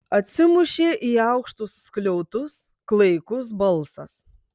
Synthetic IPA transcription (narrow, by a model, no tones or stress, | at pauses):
ɐt̪ʲsʲɪmʊʃʲeːʔiːɐʊkʃt̪ʊsːklʲɔʊt̪ʊs | klˠɐɪkʊs̬bɐlˠˑsɐ̰s